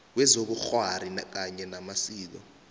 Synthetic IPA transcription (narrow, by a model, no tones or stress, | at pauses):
wɛzoɓ̬uxwaɾink̬aɲɛnamasiːlɔ̰